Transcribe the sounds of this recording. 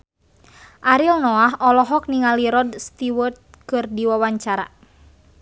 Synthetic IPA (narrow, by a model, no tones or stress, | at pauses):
ʔaɾilnɔaɦɔlɔɦɔk̚niŋaliɾɔdst̪iwət̪̚kɨrdiwawaɲt͡ʃaɾa̰